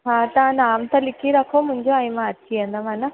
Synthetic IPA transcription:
ɦaːt̪aːnaːmt̪ɐlikːiɾɐkʰomuɲd͡ʒoɐjmaːt͡ʃːiɐnd̪ɐmanɐ

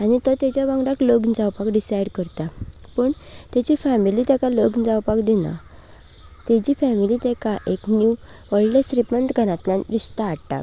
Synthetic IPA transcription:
añit̪ɔt̪jat͡ɕjabãɡɽakləɡnd͡zawpakɖisajɽkəɾt̪apəɳt̪jat͡ɕifæmilit̪ɛkaloɡnd͡zawpakd̪inã̰ | t̪ed͡ʑiːfɛmilit̪ɛkaʔeknju | ʋəɭlesɾipənt̪ɡʱəɾãt̪lãnɾiʂt̪aːʈʈa̰k

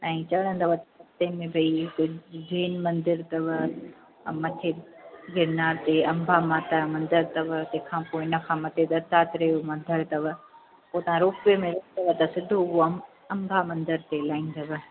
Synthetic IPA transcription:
ãːĩt͡ɕɐɽ̃ə̃nd̪ɐʋət̪ɐsɐst̪emẽbʱɐikʊd͡ʑeːnmɐ̃nd̪ɪɾt̪ɐʋə | mɐt̪ʰeɡɪɾnaːɾt̪eɐ̃mbʱamaːt̪amɐ̃nd̪əɾt̪ɐʋət̪ẽkʰãːpoːɪɪnɐkʰãːmɐt̪ed̪ɐɾt̪aːt̪ɪɾɐjomɐ̃nd̪ʱəɾt̪ɐʋə | poːt̪ɐʋ̤ãɾoːkemẽɾokt̪ɐʋət̪ɐsɪd̪ʱouo | ɐ̃ŋɡʱamɐ̃nd̪əɾt̪elaːĩːnd̪ɐʋə

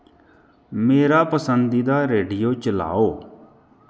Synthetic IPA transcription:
meːɾaːpəsənd̪iːd̪aːɾeːɖijoːt͡ʃəla̰ːoː

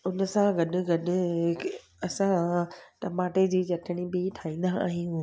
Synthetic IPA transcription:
ʊnəsãɡɐɗʊ̆ɡɐɗʊ̆ | ɐsãʈɐmaːʈed͡ʑiːt͡ɕɐʈʰɪɽ̃ibɪʈʰaːĩːn̆d̪aa̰ːɦijũ

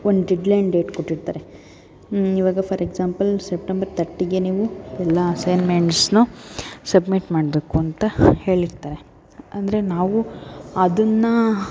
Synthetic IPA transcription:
ond̪ɖiɖlɐjɳɖe̞ːʈkoʈːiɽt̪aːɾe | iʋaːɡɐpʰɐɾeɡzaːmpɐlsep̚ʈembɐɾt̪ɐʈːiɡe̞niːʋuɛlːɐːsɐjnmeɳʈsnusɐbmiʈmaːɽɐbekːuɐnt̪ɐhe̞ːɭiɾt̪aːɾe̞ | ɐnd̪ɐɾe̞naːʋuɐd̪ɐnːɐ

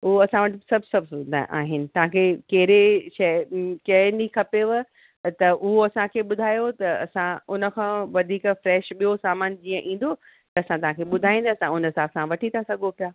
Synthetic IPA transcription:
ʊɦoɐsãʋɐʈɪsɐbʱsɐbʱd̪ʔaːɦɪnɪ̆t̪ɐʋ̤ãkʰeːkɐɦɪɾeʃɐkɐnikʰɐpeʋə | t̪ɐʔʊɦoɐsãkʰeːɓʊd̪ʱaːjot̪ɐɐ̰sãʊnə̆kʰãːʋɐd̪ʱiːkfɾɛːʃɓijosaːmaːnd͡ʑiːə̃ʔĩːn̆d̪o | t̪ɐɐsãt̪ɐɦãkʰeɓʊd̪ʱaːĩnd̪aɐsãʊnəsaːsãʋɐʈʰit̪ʰasɐɡʱopijaː

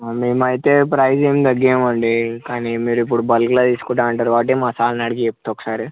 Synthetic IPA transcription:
meːmɐjt̪e̞ːpɾɐjd͡ʒeːmd̪ɐɡːeːmɐɳɖikaːnimiːɾuipːuɽubɐlklaːt̪iːskuːʈaːɐɳʈaːɾuʋaːʈ̬eːmaːsaːlnɐɽiɡiep̚ːt̪ɔkːɐ̥saːɾi

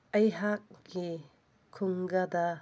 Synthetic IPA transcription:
ɐjɦak̚ːi | kʰuŋɡɐd̪ɐ

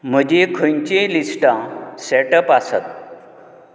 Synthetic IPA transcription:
m̤əd͡ʑekʰəɲt͡ɕelisʈãseʈəpasə̰t̪̚

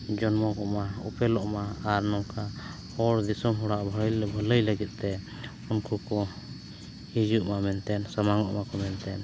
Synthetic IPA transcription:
d͡ʒɔnmɔkɔʔmaṵpɛlɔʔmaaɾnɔŋkʰa | hɔɽd̪isɔmɦɔɽaʔbʱələjləɡɛt̪̚ˀt̪ɛ | unkʰukɔ | hid͡ʒuʔmamɛnt̪ɛnsamaŋɔʔmakɔmɛnt̪ɛn

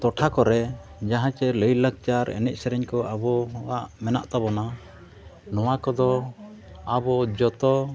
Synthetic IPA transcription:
t̪ɔʈʰakɔɾɛd͡ʒaɦãt͡ʃɛləjlək̚t͡ʃaɾɛ̰nɛc̚ˀsɛɾɛɲkɔabɔwaʔmɛna̰ʔt̪abɔna | nɔwakɔd̪ɔ | abɔd͡ʒɔt̪ɔ

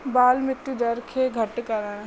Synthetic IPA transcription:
baːlmɪt̪jud͡ʒ̪ɐɾkʰeɡʱəʈkəɾa

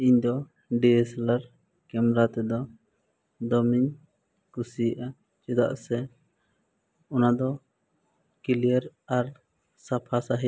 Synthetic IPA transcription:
iɲd̪ɔ | ɖiɛsɛlaɾ | kɛmɛɾat̪ɛd̪ɔ | d̪ɔmiɲ | kusiʔa | t͡ʃɛd̪a̰ʔsɛ | ɔnad̪ɔ | kilijeɾaɾ | sapʰasaɦi

